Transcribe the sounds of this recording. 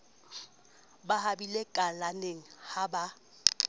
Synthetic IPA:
bahabilekʼalaneŋ̩haba

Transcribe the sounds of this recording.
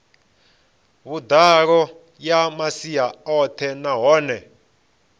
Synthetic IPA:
βud̪aɺɔ | jamasiaɔt̪ʰɛnaɦɔːnɛ

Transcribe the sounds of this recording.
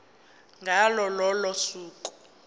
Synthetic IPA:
ŋʱalɔlɔlɔsuːku̥

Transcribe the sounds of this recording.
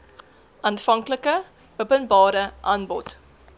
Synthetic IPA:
ʔɑnfɐŋkləkə | bəpənbɑːɾəʔɐːnbɔt

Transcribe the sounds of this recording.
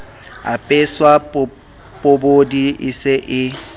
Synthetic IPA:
a̰pʼeswa | pʼobodiʔɪseʔɪ

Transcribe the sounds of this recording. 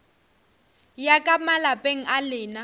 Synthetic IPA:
jakʼamalapʼeŋ̩ʔalɪːna

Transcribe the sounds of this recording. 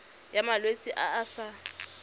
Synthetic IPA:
jamalwet͡sʼiʔaːsa

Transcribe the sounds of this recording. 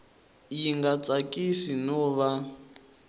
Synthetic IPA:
jiŋɡat͡sʼakʼisinɔβa

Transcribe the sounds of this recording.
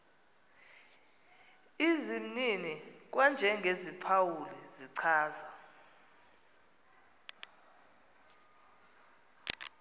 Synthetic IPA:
izim̩ninik̬wand͡ʒʱɛŋɡʱezipʰawulɛziǀʰaːza

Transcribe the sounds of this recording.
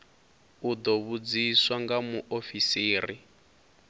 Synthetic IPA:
ud̪oβud͡ziswaŋɡamuʔofisiːri

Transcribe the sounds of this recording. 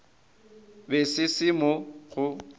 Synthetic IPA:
besɪsɪmɔɣʊ

